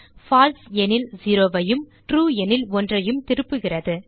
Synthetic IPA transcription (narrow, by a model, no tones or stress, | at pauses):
faːlsɛnɪlziːɾoːʋɐjɯmʈɾuːɛnɪlɔndrɐjɯmt̪ɪɾɯpːɯɣɪrɐðɯ